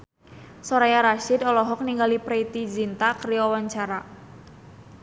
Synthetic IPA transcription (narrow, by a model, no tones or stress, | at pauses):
sɔɾajaɾaʃɪd̪ɔlɔɦɔk̚niŋɡalipɾeit̪id͡ʒint̪akəɾijɔwaɲt͡ʃaɾa